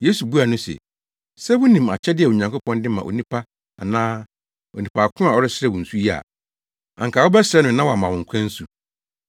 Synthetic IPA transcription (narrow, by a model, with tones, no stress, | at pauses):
je˦su˨bu˦a˨nʊ̃˦sɛ̰˨ | sɛ˦wʊ˦nĩ˨ma̰˨t͡ɕʰɛ˦dɪ˦ɛ˨o˨ɲã˨ŋkʊ˦pʰɔ̃˦ndɪ̃˦mã˨ʔo̰˨nĩ˦pʰa˦ | a̰˨nãː˦ | o˨nĩ˨pʰa˨kʰʊ̃˦a˨ɔ˦ɾɪ˦sɪɾɛ˦wʊ̃˨n̩˨su˦ji˦a̰˨ | ã̰˨ŋ˨kʰa˨wʊ˦bɛ˦sɪɾɛ˦nʊ̃˨nã˦wa˨mã˨wʊ̃˨ŋ˨kʷʰɛ̃˦n̩˦su˨